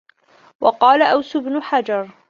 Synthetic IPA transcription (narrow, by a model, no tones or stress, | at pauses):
wɑqɑːlaʔawsʊbnʊħad͡ʒɑɾˤ